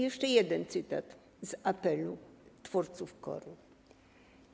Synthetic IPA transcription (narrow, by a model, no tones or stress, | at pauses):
jɛʂt͡ʂɛjɛd̪ɛnt̪sɘt̪a̰t̪ | zapɛlut̪fɔɾt̪sufkɔ̰ɾu